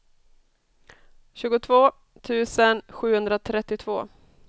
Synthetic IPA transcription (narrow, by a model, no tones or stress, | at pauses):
ɕʉ̟ːɡʊt̪ʰvoː | t̪ʰʉ̟ːsənɧʉ̟ːhɵnd̪ɾat̪ʰɾɛt̪ːɪt̪ʰvo̰ː